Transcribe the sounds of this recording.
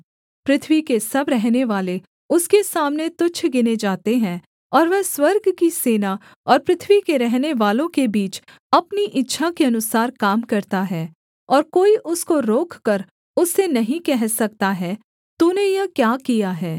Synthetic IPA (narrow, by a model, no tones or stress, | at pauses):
pɾɪt̪ʰʋikesɐbɾɛɦneʋaːle | ʊskesaːmnet̪ʊt͡ʃʰɡɪned͡ʒaːt̪eɦɛ̃ | ɔːɾʋɛːswɐɾɡkiseːna | ɔːɾpɾɪt̪ʰʋikeɾɛɦneʋaːlõkebiːt͡ʃ | ɐpniʔɪtːʃʰakeɐnʊsaːɾkaːmkɐɾt̪aɦɛː | ɔːɾkoːiʔʊskoɾoːkʰkəɾ | ʊsːenɐɦĩkɛɦsɐk̚t̪aɦɛː | t̪uːnejɐkjaːkijaɦɛː